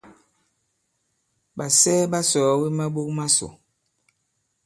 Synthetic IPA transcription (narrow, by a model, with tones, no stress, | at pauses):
ɓa˨sɛ˦ɓa˦sɔː˨˦we˦ma˦ɓo˦k̚ma˦so̰˨